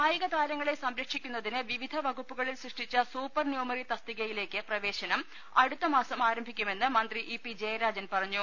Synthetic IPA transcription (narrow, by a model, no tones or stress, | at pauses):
aːjɐɣɐt̪aːɾɐŋːɐɭesɐmɾɐkʂikʲːunːɐðinɨʋiʋid̪ʱɐʋɐɡupːuɣɐɭilsriʂʈit͡ɕːɐsuːpːɐrnjuːmɐrit̪ɐst̪iɣɐjile̞ːkːɨprɐʋe̞ːɕɐnɐm | ɐɽut̪ːɐmaːsɐmaːɾɐmbʱikʲːume̞nːɨmɐnd̪riʔipːid͡ʑe̞ːjɐɾaːd͡ʑɐnpɐrɐɲːu